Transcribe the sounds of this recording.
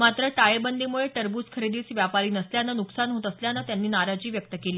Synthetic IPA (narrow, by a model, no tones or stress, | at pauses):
mat̪ɾəʈajebənd̪imuɭeʈəɾbuːskʰəɾed̪iːt͡sʋjapaɾiːnəsljanːənuksanɦot̪əsljanət̪janːiːnaɾad͡ʑiːʋjək̚t̪əkeliː